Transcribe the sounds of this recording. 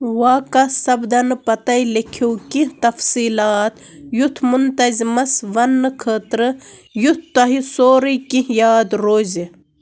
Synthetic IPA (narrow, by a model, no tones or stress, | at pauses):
ʋaːkɐsɐbd̪ɐnɨpɐt̪ɐilikʰiwkit̪ɐfsiːlaːt̪ | jut̪ʰmunt̪ɐzimɐsʋɐnːɨkʰəːt̪ɾɨjut̪ʰt̪ɐɦisoːɾikijaːd̪ɾoːzi